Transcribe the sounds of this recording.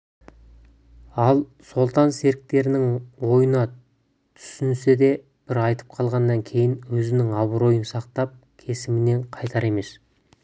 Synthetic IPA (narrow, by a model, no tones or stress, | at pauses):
ɑlˠso̞lˠt̪ɑnse̞ɾɪk̚t̪e̞ɾɪnɪŋwo̞jənɑ | t̪ʰʏ̥sɪnse̞d̪e̞ | b̥ɪɾɑjt̪ə̥p̚qʰɑlˠʁɑnːɑŋkʲʰe̞jɪnwɵzɪnɪŋɑbəɾo̞jənsɑqt̪ɑp̚ | kʲʰe̞sɪmɪne̞ɴqʰɑjt̪ɑɾe̞me̞s